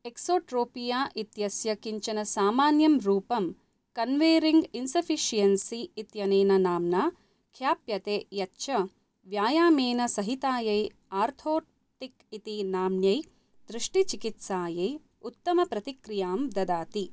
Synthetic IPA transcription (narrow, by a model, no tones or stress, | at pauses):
eksoːʈɾoːpijaːʔit̪jɐsjɐkiɲt͡ʃɐnɐsaːmaːnjɐmɾuːpɐm | kɐnʋeːɾiŋɡinsɐfʰiʃijɐnsiːt̪jɐneːnɐnaːmnaː | kʰjaːpjɐt̪eːjɐtːʃɐ | ʋjaːjaːmeːnɐsɐɦit̪aːjɐj | aːɾt̪ʰoː | ʈikit̪inaːmnjɐj | d̪ɾiʂʈit͡ʃikit̪saːjɐj | ut̪ːɐmɐpɾɐt̪ikɾijaːmd̪ɐd̪aːt̪i